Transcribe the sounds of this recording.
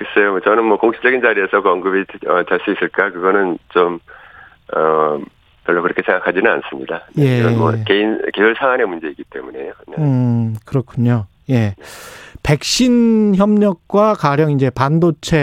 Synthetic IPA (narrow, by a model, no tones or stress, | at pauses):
kes͈ʌjot͡ɕʌnɯnmwʌkoŋɕʰi̥t͡ɕ͈ʌɡind͡ʑaɾiesʰʌkʌŋɡɯbiʌt͡ɕaɭs͈uis͈ɯɭk͈akɯɡʌnɯnt͡ɕom | ʌ | mjʌɭːakɯɾʌkʰe̞sʰeŋɡakʰad͡ʑinɯna̰ns͈ɯmɲidajeʌmʌ̰keinkesuɭsʰaŋanemund͡ʑe̞iɡ͈it͈e̞mune̞jonɯkɯɾʌkʰuɲo | je̞ | pe̞k̚ɕ͈inçjʌmɲʌk̚k͈wakaɾjʌŋind͡ʑe̞pandot͡ɕʰe̞